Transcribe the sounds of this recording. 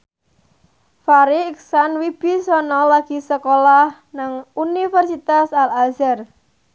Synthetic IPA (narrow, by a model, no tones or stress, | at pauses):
faɾiːksanwib̥i̤sɔnɔlaɡ̥i̤səkolah | naŋunifɛrsit̪asalalzɛr